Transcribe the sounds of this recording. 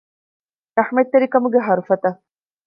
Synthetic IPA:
ɾɐħmet̪ːeɾikɐmuɡeɦɐɾufɐt̪ɐ

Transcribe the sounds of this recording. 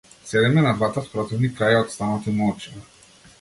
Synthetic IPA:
sɛd̪ɛmɛnad̪vat̪at̪pɾɔt̪ɛvnikːɾajaɔt̪st̪anat̪imɔlt͡ʃina

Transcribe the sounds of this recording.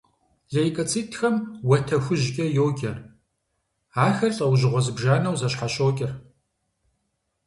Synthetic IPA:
ɮɐjkʼɐt͡sʰʼiːtʰxɐmwɐtʰɐxʷʊʑkʲʼɐjoːɡʲʼɐr | aːxɐrɬʼɐwʑɪʁʷɔzɨbʒaːnɐwzɐɕqɑɕoːkʲʼɪr

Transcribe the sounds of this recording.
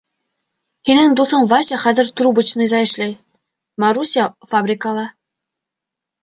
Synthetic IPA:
hinɘŋd̪uθɤɴvasʲaχæðɘ̆ɾt̪rubɘ̆t͡ɕnɤjd̪ɑɘ̆ʃlæj | maɾusʲiafabrʲɪkalˠɑ

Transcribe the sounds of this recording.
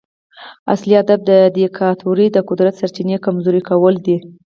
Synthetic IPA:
a̰sliad̪ab̚d̪əd̪ekʰɑt̪ʰoɾid̪əqʊd̪ɾat̪saɾt͡ʃinekamzoɾikawəld̪i

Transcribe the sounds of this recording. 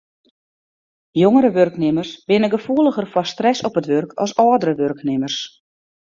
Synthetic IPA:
joŋəɾəʋørknɪmərsbɪnəɡəfuəlˠəɣərfɔstrɛsɔpətʋørkɔ̰sɔːdərəʋørknɪmərs

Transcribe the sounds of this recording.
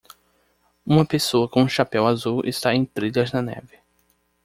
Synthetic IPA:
ũmɐpesoɐkõũʃapɛwazuwʔɪ̰st̪aẽj̃t̪ɾiʎɐznɐnɛ̰vɪ

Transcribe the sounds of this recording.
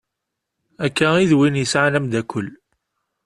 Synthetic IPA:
ækːæiðwinjəsʕanæmd̪ækʰʷːəlː

